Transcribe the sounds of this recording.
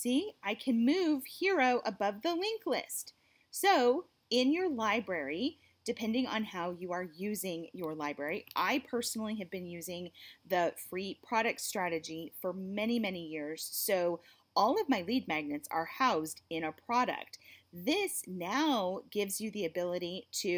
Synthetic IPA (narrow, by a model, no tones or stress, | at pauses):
siaɪkʰɨ̃nmʉv̥hɪɹoʊʔəbʌvðəlɪ̃ŋklɪ̰st | soʊ | ɪ̃njə˞laɪbɹɛɹi | d̥ɨpʰɛ̃ndɪ̃ŋə̰̃nhaʊjɨə˞jʉzɪ̃ŋjə˞laɪbɹɛɹiʔaɪpʰɜ˞sn̩l̩ˠiɨvbɨ̃njʉzɪ̃ŋðɨfɹipʰɹ̥ɑɾɨk̚tstɹ̥æɾɨd͡ʒifə˞mɛñimɛnijɪɹz̥soʊ | ɔlˠʌvmaɪlid̚mæɡ̚nɨtsə̰˞haʊzdɪ̃ñɨpʰɹ̥ɑɾɨ̰k̚t̚ðɪsnaʊɡ̥ɪvzjɨðiɨbɪlˠɨɾiɾɨ